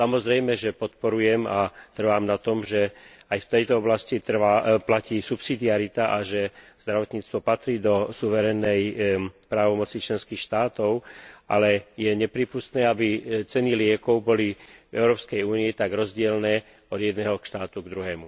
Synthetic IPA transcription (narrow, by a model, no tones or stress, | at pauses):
samɔzɾɛjmɛʒɛpɔt̪pɔɾujɛmat̪r̩ʋaːmnat̪ɔmʒɛ | ajft̪ɛjt̪ɔɔblascit̪r̩aːplaciːsupsid̪iaɾit̪aʔaʒɛz̥d̪ɾaʋɔt̪ɲiːt͡st̪ʋɔpat̪ɾiːd̪ɔsuʋɛɾɛnːɛjpɾaːʋɔmɔt͡sit͡ʃlɛnskiːxʃt̪aːt̪ɔʊʔa̰lɛjɛɲɛpɾiːpust̪nɛːabit͡sɛnilɪɛkɔʊbɔlivɛʊɾɔːpskɛjuːniɛt̪aɡɾɔzɟɪɛlnɛː | ɔd̪jɛd̪nɛːɦɔkʃt̪aːt̪uɡd̪ɾuɦɛːmu